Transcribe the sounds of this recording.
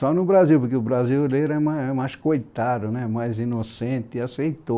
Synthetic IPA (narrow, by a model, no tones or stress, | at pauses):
sɔnʊbɾaziwpʊɾkeʊbɾaziwlejɾɛmaɛmajskojt̪ad̪ʊnɛmajzinosẽnt̪ɪɪasejt̪o